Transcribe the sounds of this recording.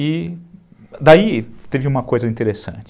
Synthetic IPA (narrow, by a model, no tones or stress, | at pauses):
i | d̪ait̪evɪũmɐkojzɐĩt̪eɾesɐ̰̃nt͡ʃɪ